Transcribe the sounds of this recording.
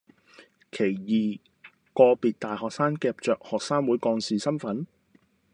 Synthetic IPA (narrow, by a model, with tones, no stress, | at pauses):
kʰe˨˩jjiː˨ | kɔː˧piː˨t̚t̪aː˨jhɔː˨k̚saː˥nkɛː˧p̚t͡ʃœː˨k̚hɔː˨k̚saː˥nwuː˨˥jkɔː˧ŋsiː˨˩sɐ˥nfɐ˨˥n